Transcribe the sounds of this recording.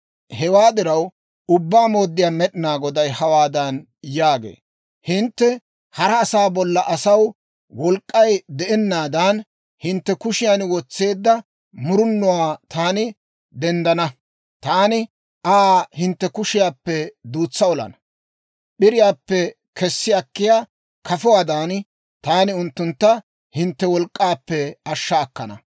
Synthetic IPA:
hɛwaːd̪ɪɾɐw | ʊbːaːmo̞ːd̪ːɪjaːmɛɗɪnaːɡɔd̪ɐjhɐwaːd̪ɐn | jaːɡḛː | hɪnt̪ːɛ | hɐɾɐːsaːbɔlːɐʔɐsɐw | wɔlkʼːɐjd̪ɛʔɛnːaːd̪ɐn | hɪnt̪ːɛkʊʃɪjanwɔt͡sːe̞ːd̪ːɐ | mʊɾʊnːɔwaːt̪ʰaːnɪ | d̪ɛnd̪ɐnɐ | t̪aːnɪ | ʔaːhɪnt̪ːɛkʊʃɪjaːpːɛd̪uːt͡sːɐɔlɐ̰nɐ | ɓɪɾɪjaːpːɛ | kʰɛsːɪjɐkːɪjaː | kɐfɔwaːd̪aːn | t̪aːnɪʊnt̪ːʊnt̪ːɐ | hɪnt̪ːɛwɔlkʼːaːpːɛɐʃːɐːkːɐ̰nɐ̰

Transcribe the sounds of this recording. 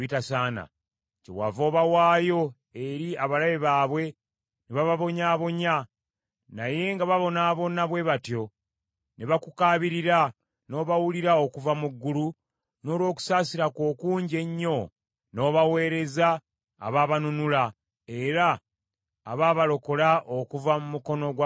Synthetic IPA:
itasaːna̰ | cewa̰vo̞ːβawaːjo̞ | e̞ɾiaβalaβeβaːβwe̞ | neβaβaβo̞ɲaːβo̞ɲa | naje̞ŋɡaβaβo̞naːβo̞naβwe̞βatjo̞ | neβakukaːβiɾiɾa | no̞ːβawuliɾaokuvamuɡːulu | no̞ːlwo̞ːku̥saːsiɾako̞ːkuːɲɟe̞ɲːo̞ | no̞ːβawe̞ːɾe̞za̰ː | βaːβanunula | e̞ɾa̰ː | βaːβalo̞ko̞laʔokuvamumuko̞no̞ɡw

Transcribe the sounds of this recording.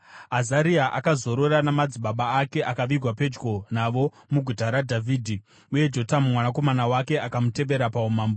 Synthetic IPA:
ɦazaɾiaʔa̰kazo̞ɾo̞ɾanamad͡ziɓaɓaːke̞ʔakaʋiɡʱwape̞d͡ʒɡo̞naʋo̞ | muɡʱutaɾadʱavʱiːdʱi | uje̞d͡ʒo̞tamumwanako̞manawake̞ʔakamute̞ʋe̞ɾapaumaːmbo

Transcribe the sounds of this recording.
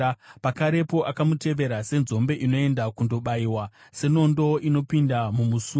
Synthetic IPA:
pakaɾe̞po̞ʔakamute̞ʋe̞ɾase̞nzo̞mbe̞ʔino̞e̞ndakundo̞ɓaiwa | se̞no̞ndo̞ino̞pindamumusu

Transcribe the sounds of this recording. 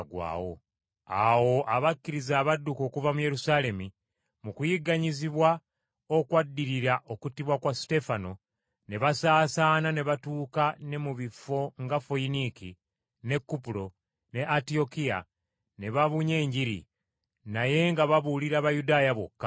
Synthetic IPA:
ɡwa̰ːwo̞̰ | a̰wo̞ʔaβakːiɾizaːβadːuko̞ːkuvamuje̞ɾusale̞mi | mukujiɡaɲiziβwa | okwadːiɾiɾaʔo̞kutiβwakwaste̞fano̞ | ne̞βasaːsaːnane̞βatuːkane̞muβifːo̞ŋɡafoiniki | ne̞kːupuɾo̞ | ne̞ʔatio̞kija̰ | ne̞βaβuɲe̞ːɲɟiɾḭ | naje̞ŋɡaβaβuliɾaβajudaːjaβo̞̰kːa

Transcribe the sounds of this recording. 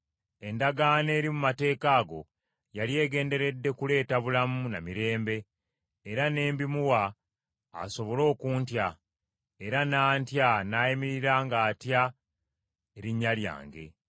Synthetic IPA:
e̞ndaɡaːne̞ːɾimumate̞ːkaːɡo̞̰ | jalie̞ːɡe̞ːnde̞ɾe̞dːe̞kule̞ːtaβulamuna̰miɾe̞ːmbe̞ː | ɾane̞ːmbimuwa̰ː | so̞βo̞lo̞ːkuːntja | e̞ɾanaːntjanaːjimiɾiɾaːŋɡaːtja | eɾiɲːalja̰ːŋɡe̞̰

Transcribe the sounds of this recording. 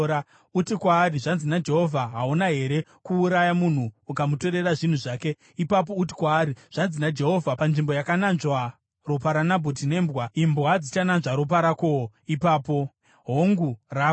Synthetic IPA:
a | utikwaːɾiʐanzinad͡ʒe̞ɦo̞vʱaɦaunaɦe̞ɾe̞kuːɾajamun̤uːkamuto̞ɾe̞raʐin̤uʐaːke̞ | ipap̬o̞uti̥kwaːɾiʐ̥anzinad͡ʒe̞ɦo̞vʱapanʐimbo̞jakananʐwa | ro̞paɾanabʱot̬ine̞mbwaimbwad͡zit͡ʃananʐaɾo̞p̬aɾako̞o | ipaːpo̞ | ɦoŋɡura

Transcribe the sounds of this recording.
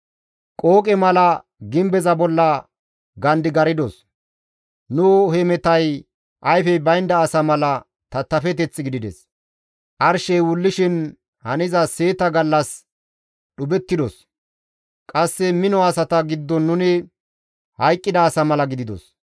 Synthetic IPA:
kʼo̞ːkʼɛmɐlɐ | ɡɪmbɛzɐbɔlːɐ | ɡɐnd̪ɪɡɐɾɪd̪ɔs | nʊhɛmɛt̪ɐj | ʔɐjfɛbɐjnd̪ɐːsɐmɐlɐ | t̪ɐt̪ːɐfɛt̪ɛt͡sːɡɪd̪ɪd̪ɛ̰s | ʔɐɾʃɛjwʊlːɪʃɪn | hɐnɪzɐseːt̪ɐɡɐlːɐs | ɗʊbɛt̪ːɪd̪ɔs | kʼɐsːɛmɪnɔɐsɐt̪ɐɡɪdd̪ːɔnːʊnɪ | hɐjkʼːɪd̪ɐːsɐmɐlɐɡɪd̪ɪd̪ɔ̰s

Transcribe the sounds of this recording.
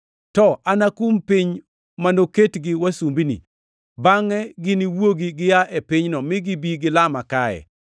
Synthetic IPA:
tɔanakumpɪɲ | manoketɡɪwasumbinḭ | baŋɛɡɪniwoɡiɡɪjaʔepɪɲnɔmɪɡibiɡɪlamakaɛ̰

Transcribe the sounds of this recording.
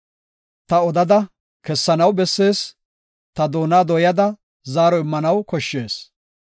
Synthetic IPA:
t̪ɐɔd̪ɐd̪ɐ | kɛsːɐnɐwbɛsːe̞ːs | t̪ɐd̪o̞ːnaːd̪ɔjɐd̪ɐ | zaːɾɔɪmːɐnɐwkɔʃːe̞ːs

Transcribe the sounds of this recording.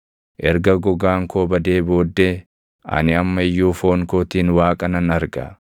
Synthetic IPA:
ʔɛɾɡɐɡɔɡaːŋkʰoːbɐd̪e̞ːbo̞ːd̪ːe | ɐ̰nɪɐmːɐɪjːuːfo̞ːŋkoːt̪iːnwaːkʼɐnɐnɐɾɡɐ̰

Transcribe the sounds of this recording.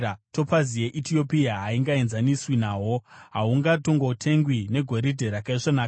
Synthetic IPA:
to̞pazijeʔitio̞pijaɦaiŋɡaenzaniswinaːɦo̞ɦaɦuŋɡato̞ŋɡotʰe̞ŋɡwine̞ɡʱo̞ɾidʱe̞ɾakaiʐonaːka

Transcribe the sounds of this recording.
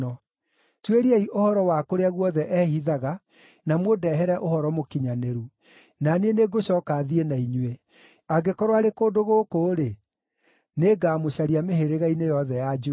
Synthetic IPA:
ɔ | tweɾiaiʔohɔɾɔwakoɾeaɣwɔðɛʔɛhiðaɣa | namwodɛɦɛɾɛʔohɔɾɔmokiɲaneɾu | naneneɡoɕɔːkaðienaiɲue | aɡekɔɾwaɾekoːdoɣokoːɾe | neɡaːmoɕaɾiameɦeɾeɣainejɔðɛjad͡ʒo

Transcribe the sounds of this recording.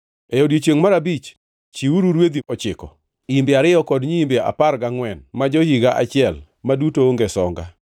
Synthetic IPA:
ejodjet͡ʃjeŋmaɾabit͡ʃ | t͡ʃiuɾuɾwed̪iɔt͡ʃɪkɔ̰ | imbɪaɾɪjɔkɔdɲiimbea̰parɡaŋwɛnmad͡ʒohiɡaʔat͡ʃɪɛl | madutooŋɡesɔŋɡa̰

